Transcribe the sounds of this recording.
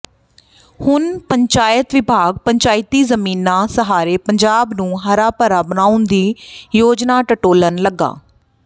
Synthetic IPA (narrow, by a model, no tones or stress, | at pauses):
hʊnpəɲt͡ʃaːjət̪ʋɪbʱaːɡ̚pəɲt͡ʃaːɪt̪iːzəmiːnãːsəɦaːɾeːpəɲd͡ʒaːbnũːɦəɾaːpəɾaːbəñaːʊnd̪iːjoːd͡ʒnaːʈəʈoːlənləɡa̰ː